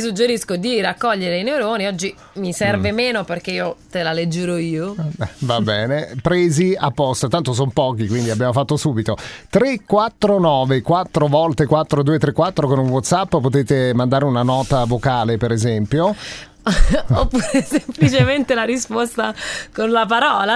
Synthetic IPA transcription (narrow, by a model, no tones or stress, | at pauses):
isud͡ʒːeɾiskod̪irakːɔʎːeɾeineuɾoːniɔd͡ʒːi | misɛrvemeːnoperk̟eiːot̪elaled͡ʒːeɾoiːovabɛːnepɾeːziapːɔst̪at̪ant̪os̬ompɔːk̟ikwind̪iabːjaːmofat̪ːosuːbit̪ot̪ɾekːwat̪ːɾonɔːvekwat̪ːɾovɔlt̪ekwat̪ːɾod̪uːet̪ːɾekːwat̪ːɾokonunwɔt̪sapːpot̪eːt̪emand̪aːɾeunanɔːt̪avokaːlepeɾezɛmpjo | opːuːɾesemplit͡ʃement̪elaɾispost̪akonlap̬aɾɔːla